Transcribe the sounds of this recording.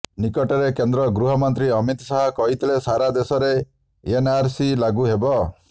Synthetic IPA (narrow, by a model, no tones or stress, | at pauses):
nikɔʈɔɾekend̪ɾɔɡɾuɦɔmɔnt̪ɾiɔmit̪saɦɔkɔɦit̪ʰilesaɾad̪esɔɾe | enaɾsilaɡuɦebɔ